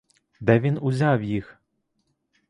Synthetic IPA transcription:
d̪ɛvʲinuzʲawjix

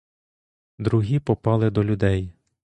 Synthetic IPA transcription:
d̪ɾuɦʲipɔpɑlˠɪd̪ɔlʲʊd̪ɛj

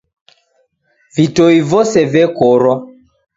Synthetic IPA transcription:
vitojvosɛvɛkoɾɔ

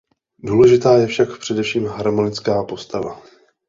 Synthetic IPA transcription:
duːlɛʒɪt̪aːjɛfʃakpr̥ɛdɛfʃiːmɦaɾmo̞nɪt͡skaːpo̞st̪ava̰

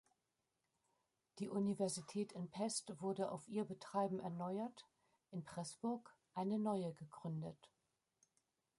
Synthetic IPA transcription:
d̥iːʔunivɛɐzitʰɛːtʰɪnpʰɛstv̥ʊɐdəʔa̰ʊfʔiːɐbətʁ̥aɪbm̩ʔɛɐnɔʏɐt | ʔɪnpʁ̥ɛsb̥ʊɐkʔaɪnənɔʏəɡəɡʁʏndət

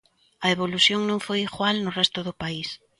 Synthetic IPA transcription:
ɐeβoluθjoŋnõŋfojiɣwalnʊrɛst̪ʊðʊpais

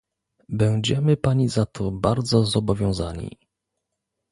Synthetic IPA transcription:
bɛwd͡ʑɛmɘpaɲizat̪ʰɔbaɾd̪zɔzɔbɔvʲjɔ̃w̃zaɲḭ

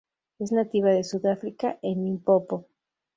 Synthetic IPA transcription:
e̞znat̪iβaðe̞suðafɾikaʔenĩmpopo

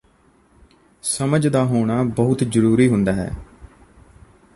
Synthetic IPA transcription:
səməd͡ʒd̪aːɦoːɽ̃aːbəɦʊt̪d͡ʒəɾuːɾiːɦʊnd̪aːɦɛ̰ː

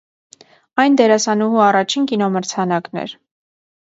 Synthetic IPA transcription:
ɑjnd̪ɛɾɑsɑnuɦuɑrɑt͡ʃʰinkinɔməɾt͡sʰɑnɑknɛ̰ɾ

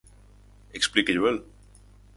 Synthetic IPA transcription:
eksplikeʎoel

